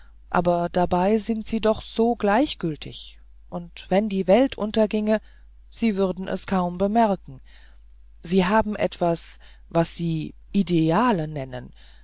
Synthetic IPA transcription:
ʔa̰ːbɐd̥abaɪzɪntz̥iːdɔχz̥oːɡlaɪçɡ̥ʏltʰɪ̰ç | ʔʊntv̥ɛndiːvɛltʔʊntɐɡɪŋə | z̥iːvʏʁɐdn̩ʔɛ̰skʰaʊmbəmɛɐkŋ̩ | z̥iːɦaːbm̩ʔɛ̰tv̥as | vasz̥iːʔideaːlənɛnə̰n

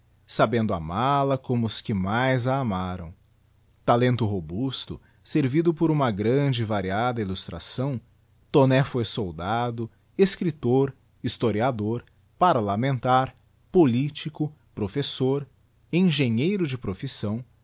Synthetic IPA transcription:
sabẽnd̪ʊa̰malɐkõmʊʊskɪmajzɐːmaɾɐ̰̃w̃ | t̪alẽnt̪ʊɦobust̪ʊ̰ | seɾvid̪ʊpoɾũmɐɡɾɐ̃d͡ʒɪvaɾiad̪ɐilust̪ɾa̰sɐ̃w̃ | t̪onɛfojsowd̪ad̪ʊ | eskɾit̪oɾ | ist̪oɾiad̪oɾ | paɾlamẽnt̪aɾ | polit͡ʃikʊ | pɾofesoɾ | ẽʒẽɲejɾʊd͡ʒɪpɾofisɐ̃w̃

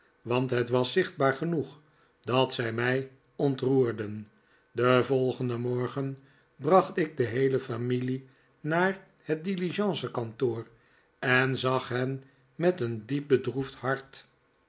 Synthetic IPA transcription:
ʋɑntɦətʋɑsɪχd̚baːɹχənuχ | dɑtsɛjmɛj | ɔntruːɹdən | dəvɔlˠχəndəmɔɹχən | brɑχtɪɡ̚dəɦejləfamili | naːɹ | hət̚diliʒɑ̃ːsəkɑntoːr | ɛnzɑχɦɛn | mɛtəndip̚bədrufthɑɹt

